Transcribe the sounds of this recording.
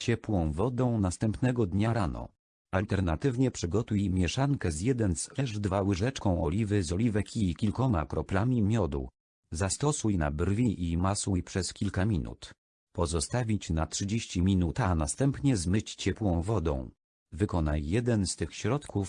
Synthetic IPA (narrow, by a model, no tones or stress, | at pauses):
t͡ɕɛpwɔ̃w̃vɔd̪ɔ̃w̃nast̪ɛmpnɛɡɔd̪ɲaɾanɔ̰ | alt̪ɛɾnat̪ɘvɲɛpʂɘɡɔt̪ujmʲjɛʂaŋkɛzʲjɛd̪ɛnzlɛʐd̪vawɘʐɛt͡ʂkɔ̃w̃ɔlʲivɘzɔlʲivɛkʰʲikʲilkɔma̰kɾɔplamʲimʲjɔd̪ṵ | zast̪ɔsujna̰brvʲiʔimaswujpʂɛskʲilkamʲinṵt̪ | pɔzɔst̪avʲit͡ɕnatʂɘd͡ʑeɕt͡ɕimʲinut̪anast̪ɛmpɲɛzmɘt͡ɕt͡ɕɛpwɔ̃w̃vɔd̪ɔ̰̃w̃ | vɘkɔnajjɛd̪ɛnst̪ɘxɕɾɔt̪kʰuf